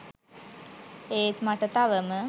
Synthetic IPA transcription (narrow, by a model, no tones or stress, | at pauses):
eːt̪maʈət̪aʋəmə